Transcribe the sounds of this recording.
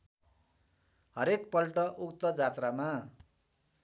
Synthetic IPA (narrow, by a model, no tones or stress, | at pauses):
ɦʌɾekpʌlʈʌʔukt̪ʌd͡zat̪rama